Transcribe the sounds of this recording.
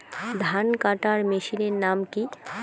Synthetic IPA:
d̪ʱankaʈaɾmeʃineɾnamki

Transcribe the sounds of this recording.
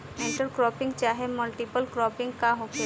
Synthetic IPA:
mẽːɳʈəɾkɾɔːpɪ̃ŋɡt͡ʃaːɦeməlʈipəlkɾɔːpɪ̃ŋɡkaɦoke

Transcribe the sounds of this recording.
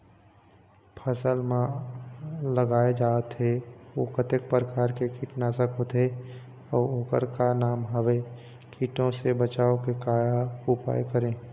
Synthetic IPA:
pʰəsəlmã | ləɡaːed͡ʒaːt̪ɦeokət̪ek̚pɾəkaːɾkekʰiːʈnaːsəkɦot̪ɦe | ɔːɾoːkə̰ɾkanaːmɦəʋe | kʰiʈõsebət͡ʃaːokekaːjaupa̰ːekəɾẽː

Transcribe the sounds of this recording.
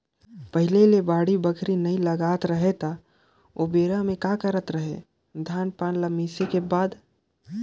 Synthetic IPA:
pəɦɪlelebaːɽibəkʰɾinəĩləɡaːt̪ɾəɦet̪a | obeːɾamẽkakəɾət̪ɾəɦḛ | d̪ʱaːnpaːnləmisekebaːd̪

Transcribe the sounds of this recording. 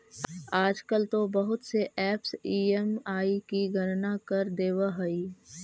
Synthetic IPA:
aːd͡ʒkəlt̪obɐɦʊt̪seʔɛːpsiːemaːikiɡʱɐɾnakɐɾd̪eːʋaɦɐiː

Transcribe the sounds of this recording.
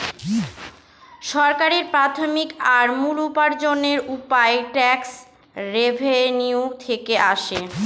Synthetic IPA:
ʃɔɾkaɾiɾpɾat̪ʰomikaɾmulupaɾd͡ʑonːeɾupaeʈɛks | ɾebʱeniot̪ʰekeʔaʃe

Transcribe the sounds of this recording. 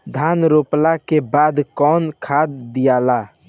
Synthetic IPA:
d̪ʱanɾoplakebad̪kɔnkʰad̪ːijala

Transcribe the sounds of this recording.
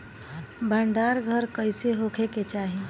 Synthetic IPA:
bʱəɳɖaɾɡʱəɾkəɪseɦokʰeket͡ʃaɦi

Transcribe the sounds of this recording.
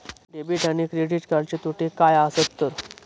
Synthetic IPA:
ɖebiʈaɽ̃ikɾeɖiʈkaɾt͡ɕet̪oʈekajasət̪ːəɾ

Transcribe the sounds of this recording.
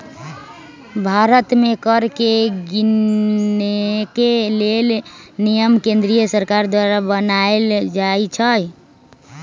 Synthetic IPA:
bʱaɾət̪mekəɾkeɡin | ekelelnijəmkẽnd̪ɾijəsəɾkaɾd̪waɾabənaeld͡ʒajt͡ʃʰəj

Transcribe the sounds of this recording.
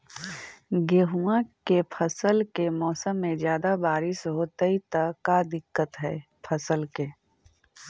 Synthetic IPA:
ɡeːɦuãkepʰɐsəlkemɔːsəmːẽzjaːd̪abaːɾɪʃɦoːt̪əit̪ɐkad̪ɪkːət̪ɦɛː | pʰɐsəlkeː

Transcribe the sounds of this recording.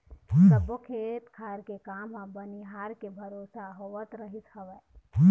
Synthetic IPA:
ɦsəbokʰet̪kʰaɾkekamãbəniɦaɾkebʱəɾosaɦoʋət̪ɾəɦit̪həʋɛ

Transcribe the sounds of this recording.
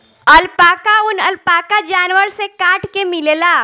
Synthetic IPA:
ɐlpaːkaʊnəlpaːkad͡ʒaːnʋəɾsekaːʈkemɪleːlaː

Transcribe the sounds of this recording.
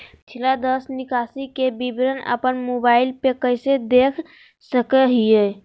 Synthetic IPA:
t͡ʃʰilad̪əsnikasikebibɾənə̰pənmobaɪilpekəjsed̪ekʰ | səkəɦije

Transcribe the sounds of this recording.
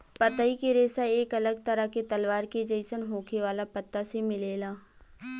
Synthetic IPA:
pɐt̪aikeɾeːsaeːkɐləɡ̚t̪əɾəɦket̪ɐlʋaːɾked͡ʒɐɪsənɦoːkʰeʋaːlapɐt̪ːasemɪleːlaː

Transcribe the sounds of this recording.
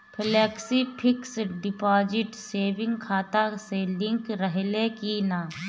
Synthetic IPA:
pʰlɛːksipʰɪksɖɪpaːd͡ʒɪʈseːʋɪ̃ŋɡkʰaːt̪aselɪ̃ŋkɾəɦlekinaː

